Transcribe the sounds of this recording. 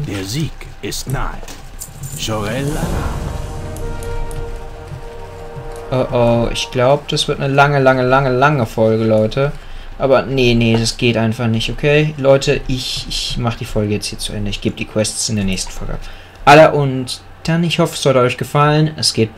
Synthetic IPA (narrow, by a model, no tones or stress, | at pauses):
d̥eːɐziːk | ɪstna̰ə | ʃɔʁɛlːana | ʔoʔoːʔɪ̰çɡ̥laʊbəd̥asv̥ɪɐtnəlaŋəlaŋəlaŋəlaŋəfɔlɡəlɔʏtʰə | ʔaːbɐnənəd̥asɡ̥eːtʔaɪnfaχnɪçtokʰeːlɔʏtʰəʔɪçɪçmaχəd̥iːfɔlɡəjɛt͡sthiːɐt͡suʔɛ̰ndəɪçɡ̥eːbədiːkʰw̥ɛssɪndeːɐnɛːçstn̩fɔlɡə̰ʔa̰p | ʔalɐʔʊnt | d̥anɪçhɔfəsz̥ɔltəɔʏçɡ̥əfalənɛsɡ̥eːt